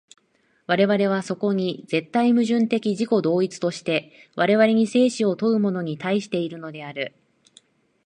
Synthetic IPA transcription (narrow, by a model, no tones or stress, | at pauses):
βaɾe̞βaɾe̞β̞aso̞ko̞ɲ̟id͡ze̞t̪ːaimɯ̟ʑɨ̃nt̪e̞kʲiʑiko̞d̪o̞ːit͡sɨ̥t̪o̞ɕi̥t̪e̞βaɾe̞βaɾe̞ɲ̟ise̞ːɕio̞t̪o̞ɯ̟mo̞no̞ɲ̟it̪aiɕi̥t̪e̞iɾɯ̟no̞d̪e̞aɾɯ̟